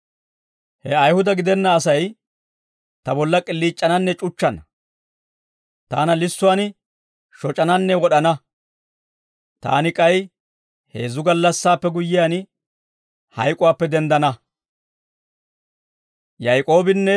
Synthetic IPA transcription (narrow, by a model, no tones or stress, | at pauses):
hɛɐjhʊd̪ɐɡɪd̪ɛnːɐːsɐj | t̪ɐbɔlːɐkʼɪlːiːt͡ʃʼːɐnɐnːɛt͡ʃʼʊt͡ʃːɐnɐ | t̪aːnɐlɪsːʊwaːn | ʃɔt͡ʃʼɐnɐnːɛwɔɗɐnɐ | t̪a̰ːnɪkʼɐj | he̞ːzʊɡɐlːɐsːaːpːɛɡʊjːɪjaːn | hɐjkʼʊwaːpːɛd̪ɛnd̪ɐnɐ | jɐjkʼo̞ːbɪnːɛ